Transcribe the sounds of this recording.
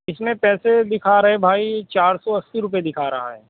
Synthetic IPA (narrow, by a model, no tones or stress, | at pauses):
ɪsmẽpɛːsed̪ɪkʰaɾɐɦebʱaːit͡ʃaːɾsɔɐsːiɾʊped̪ɪkʰaɾɐɦa̰ɦɛ̰ː